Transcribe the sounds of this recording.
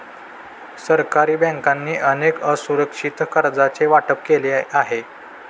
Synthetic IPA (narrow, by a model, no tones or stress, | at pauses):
səɾkaɾiːbɛ̃ŋkanːiːʔənekəsuɾəkʂit̪kəɾd͡zat͡seʋaʈəp̚keleaɦe